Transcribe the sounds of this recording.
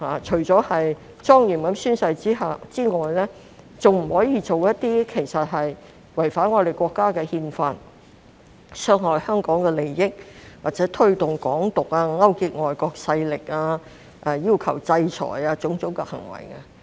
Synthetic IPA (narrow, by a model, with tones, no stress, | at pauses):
haː˨˩t͡ʃʰɵ˨˩ɥt͡sɔː˨˥hɐ˨j | t͡sɔː˥ŋjiː˨˩mkɐ˨˥msyː˥nsɐ˧jt͡siː˥ɦa˨t͡siː˥ŋɔː˨jlɛː˥ | t͡sʊ˨ŋm̩˨˩hɔː˨˥jiː˨˧t͡so˨wjɐ˥t̚t̪iː˥kʰe˨˩jsɐ˨t̚ɦɐ˨j | wɐ˨˩jfaː˨˥nŋɔː˨˧ɾe˨˩jkʷɔː˧kːaː˥kɛː˧hiː˧nfaː˧n | sœː˧ŋhɔː˨jhœː˥ŋkɔː˨˥ŋkɛː˧le˨˩jːɪ˥k̚waː˨t̚t͡sɛː˨˥t̪ʰɵ˥ɥt̪ʊ˨ŋkɔː˨˥ŋt̪ʊ˨k̚aː˧ŋɐ˥wki˧t̚ŋɔː˨˩jkɔː˧k̚sɐ˧jlɪ˨k̚aː˧ | ʔa˨˧jiː˥wkʰɐ˨˩wt͡sɐ˧jt͡ʃʰɔ̰ː˨˩jaː˧t͡sʊ˨˥ŋt͡sʊ˨˥wkɛ˧hɐ̰˨˩ŋwɐ̰˨˩jka˧